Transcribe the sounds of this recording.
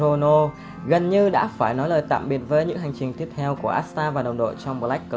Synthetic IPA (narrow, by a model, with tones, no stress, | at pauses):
o˧no˧ | ɣə˨˩nɲɨ˧ɗa̰ː˧˥faː˧˩jnɔ˨˦jləː˨˩jt̪a̰ː˧˨mɓi˨˩ət̚vəː˨˦jɲɨ̰˧˥ŋɦa˨˩jŋ̟t͡ɕï˨˩ŋ̟t̪i˦˥ət̚t̪ʰɛ˧wku˧˩əʔaː˦˥t̚st̪aː˧vaː˨˩ɗə˨˩wŋ͡mɗo̰˧˨t͡ɕɔ˧wŋ͡mm̚˨˩la˦˥k̚ː